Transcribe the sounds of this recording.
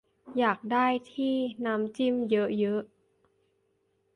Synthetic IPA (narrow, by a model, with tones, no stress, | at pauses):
jaː˨˩k̚daː˥˩jt̪ʰiː˥˩na˦˥mt͡ɕi˥˩mjɤ˦˥ʔjɤ˦˥ʔ